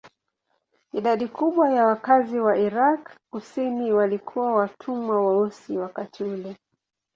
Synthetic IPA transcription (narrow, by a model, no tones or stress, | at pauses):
iɗaɗikʰuɓwajawakaziwaʔiɾakkusimiwalikʰuwawatʰumwawaɔsiwakatiulɛ